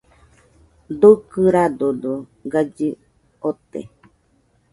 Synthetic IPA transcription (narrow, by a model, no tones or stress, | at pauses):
d̪ukɨɾad̪od̪o | ɡad͡ʒi | ot̪ḛ